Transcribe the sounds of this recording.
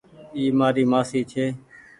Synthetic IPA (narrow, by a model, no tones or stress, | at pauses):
iːmaːɾiːmaːsiːt͡ʃʰeː